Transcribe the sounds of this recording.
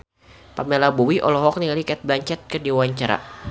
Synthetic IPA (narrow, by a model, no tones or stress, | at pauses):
pamɛlabuwiʔɔ̰lɔɦɔk̚nialikɛt̪̚blaɲt͡ʃɛt̪̚kədiwaɲt͡ʃaɾa̰